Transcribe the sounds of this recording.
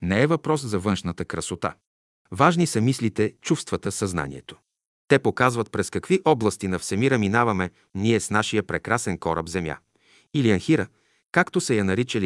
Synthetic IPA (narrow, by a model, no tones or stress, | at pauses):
nɛɛvɐpɾɔszɐvɤnʃnət̪əkɾɐsot̪a̰ | vaʒnisɐmislit̪ɛt͡ʃufst̪vət̪əsɐzna̰nʲḭɛ̰t̪o̥ | t̪ɛpokazvɐt̪̚pɾɛskɐkviʔɔblˠɐst̪inɐfsɛmiɾəminavɐmɛ | niɛsnaʃijəpɾɛkɾasɛnkɔɾə̰bzɛmja̰ | iliɐnxiɾə | kakt̪osɛjɐnɐɾit͡ʃəli